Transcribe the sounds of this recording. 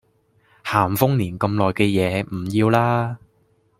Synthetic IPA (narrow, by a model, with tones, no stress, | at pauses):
haː˨˩mfʊ˥ŋniː˨˩nkɐ˧mlɔː˨˩jkɛː˧jɛː˨˦m̩˨˩jiː˧wlaː˥